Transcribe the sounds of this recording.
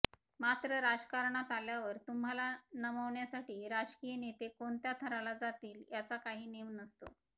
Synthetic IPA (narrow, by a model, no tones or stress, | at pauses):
mat̪ɾəɾad͡zkaɾɳat̪aljaʋəɾt̪um̤ɦalanəməʋɳjasaʈiːɾad͡ʑkijnet̪ekont̪jat̪ʰəɾalad͡zat̪iːljat͡sakaɦiːneʋnəst̪o